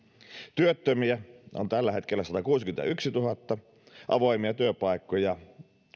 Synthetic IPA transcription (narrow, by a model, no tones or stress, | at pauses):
t̪yøt̪ːømiæo̰nt̪ælːæhet̪kelːæsɑt̪ɑkuːskymet̪æ̰yksit̪uhɑt̪ːɑ | ʔɑ̰ʋoimiɑt̪yøpɑikːojɑ